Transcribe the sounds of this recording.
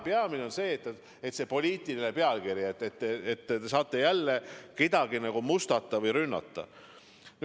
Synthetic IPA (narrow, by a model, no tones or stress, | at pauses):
peɑmine̞onse̞ːt̪ːˑ | et̪se̞po̞lʲiːt̪ːˑiline̞peɑlkiɾjɑet̪ːˑet̪ːeet̪ːt̪esɑːt̪ːˑe̞jælːeke̞d̪̥ɑɡ̥inɑɡ̥umust̪ɑt̪ːˑɑvɤjɾynːɑ̰t̪ːˑɑ̰ | n